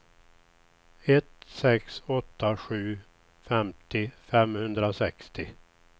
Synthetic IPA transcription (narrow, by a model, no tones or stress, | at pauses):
ɛt̪sɛksɔt̪ːaɧʉ̟ː | fɛmt̪ɪfɛmhɵnd̪ɾasɛkst̪ɪ